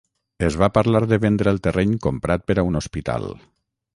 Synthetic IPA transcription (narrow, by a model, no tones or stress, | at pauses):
əzβapəɾlaɾðəβend̪ɾəːlˠt̪ərɛɲkompɾat̪̚pəɾaunospit̪a̰lˠ